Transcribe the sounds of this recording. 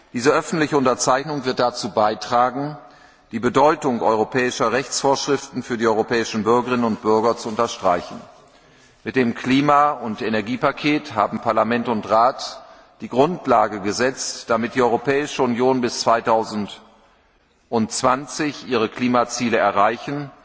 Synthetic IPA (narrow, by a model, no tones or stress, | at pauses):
d̥iːzəʔœfn̩tlɪçəʊntɐt͡saɪçnʊŋvɪɐt̚d̥at͡suːbaɪtʁ̥aːɡŋ̩ | d̥iːbədɔʏtʊŋʔɔʏʁopʰɛːɪʃɐʁɛçt͡sfoːɐʃʁ̥ɪftn̩fyːɐdiːʔɔʏʁopʰɛːɪʃn̩bʏɐɡəʁɪnənʊnt̚b̥ʏɐɡɐt͡suʊntɐʃtʁ̥a̰ɪçn̩ | mɪt̚d̥eːmkʰliːmaʊntenɛɐɡiːpakʰeːtɦaːbm̩pʰaɐlamɛntʊntʁaːt | d̥iːɡʁʊntʰlaːɡəɡəzɛt͡std̥amɪt̚d̥iːʔɔʏʁopʰɛːɪʃəʊnjoːnbɪst͡sv̥aɪtʰaʊzn̩t | ʔʊntt͡sv̥ant͡sɪçʔiːʁ̞əkl̥iːmat͡siːləɛɐʁaɪçn̩